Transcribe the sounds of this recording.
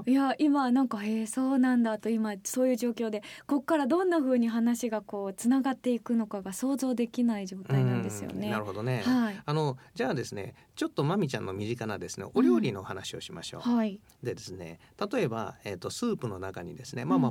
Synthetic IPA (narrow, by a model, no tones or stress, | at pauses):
jaʔimanãŋkaeːso̞ːnãnd̪at̪o̞imaso̞ːjɯ̟ːʑo̞ːkʲo̞ːd̪e̞ko̞kːaɾad̪õ̞nːaɸɯ̟ːɲ̟iɦanaɕiɡako̞ːt͡sɨnaɡat̪ːe̞ikɯ̟no̞kaɡaso̞ːzo̞ːd̪e̞kʲinaiʑo̞ːt̪ainãnd̪e̞sɨjo̰ne̞aɾɯ̟ho̞d̪o̞ne̞haiano̞d͡ʑaːd̪e̞sɨne̞̰ | t͡ɕo̞t̪ːo̞mamʲit͡ɕã̰nːo̞mʲiʑikanad̪e̞sɨnḛʔo̞ɾʲoːɾʲino̞hanaɕio̞̰ɕima̰ɕo̞̰ːhai | d̪e̞d̪e̞sɨne̞̰ | t̪at̪o̞e̞ba̰et̪ːo̞sɨːpɯ̟no̞nakaɲ̟ḭd̪e̞sɨne̞mama